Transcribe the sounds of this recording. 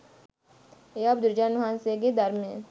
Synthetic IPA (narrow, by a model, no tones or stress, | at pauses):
eab̚d̪ʊɾd͡ʒaːnʊɦãːnseɡed̪ɐɾmẽ